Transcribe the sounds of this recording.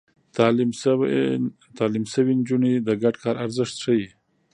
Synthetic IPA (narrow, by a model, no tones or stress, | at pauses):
t̪ɑli | t̪ɑlimsəwind͡ʒunid̪əɡaɖkʰɑɾaɾzɪʂt̪ʂəji